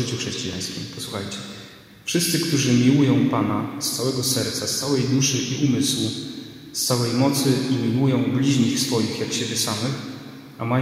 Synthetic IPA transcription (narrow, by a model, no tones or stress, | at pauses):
ɘt͡ɕuxʂɛɕt͡ɕija̰j̃skʲḭmpɔswuxajt͡ɕɛ | fʂɘst̪sɘkt̪uʐɘmʲiwujɔ̃w̃panast̪sawɛɡɔsɛɾt̪sast̪sawɛjd̪uʂɘʔiʔumɘswu | st̪sawɛjmɔt̪sɘimʲiwujɔ̃w̃blʲiʑɲixsfɔjixjakɕebʲɛsamɘx | ama